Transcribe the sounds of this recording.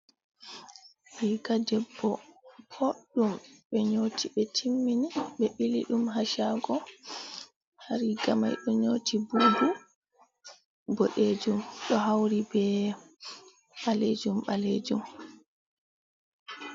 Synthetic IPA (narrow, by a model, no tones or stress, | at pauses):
hikadɛbːɔpʰoɗumɓɛɲotʰiɓɛtʰimːiniɓɛɓilḭɗumɦaʃaɡɔ | haɾiɡama̰jɗɔɲoːtʰibudu | boɗed͡ʒumɗɔɦawɾibɛ | ɓaled͡ʒumɓaled͡ʒum